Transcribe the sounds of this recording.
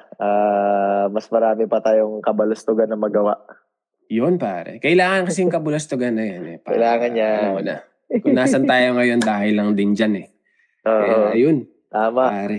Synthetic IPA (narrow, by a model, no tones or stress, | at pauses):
ʔaːmɐsmɐɾaːmɛpɐt̪aːjoŋkɐbɐlɐst̪ʊɡanːɐmɐɡɐwaʔ | jonpaːɾɛ̰kɐʔɪlaːŋɐnkɐsiŋkɐbʊlɐst̪ʊɡanːɐjanɛpɐ̰ɪlaːŋɐnɲaonɐ̰ | kʊŋnaːsɐnt̪aːjoŋɐjo̞nd̪aːhɪlːɐŋd̪ɪnd͡ʒanɛ | ʔoːɐjon | t̪aːmaaːɾɛ